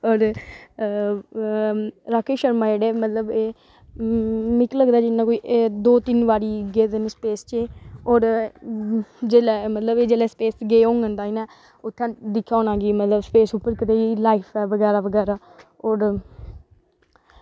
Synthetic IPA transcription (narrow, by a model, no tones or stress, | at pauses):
ɔːɾ | ɾaːkʰeːʃəɾmãːd͡ʒeːɽeːmət̪ləbeː | mɪkləɡd̪aːd͡ʒɪnːãːkoːiːʔd̪oːt̪ɪnʋaːɾiːɡeːd̪ənspeːst͡ʃeːɔːɾ | d͡ʒeːlɛmət̪ləbeːd͡ʒeːlɛːspeːsɡeːõːŋɡənd̪aːiːnɛː | ʊt̪ʰːãːd̪ɪkʰːjaːoːnãːɡiːmət̪ləbspeːsuːpːəɾkɪt̪eːlaːipʰɛːʋəɡɛːɾaːʋəɡɛːɾaː | ɔːɾ